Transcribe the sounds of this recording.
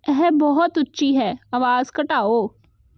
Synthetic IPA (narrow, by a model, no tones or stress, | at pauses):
ɛɦɛbɔɦɔt̪ʊtːʃiɦɛːɐʋaːzkɐʈaːoː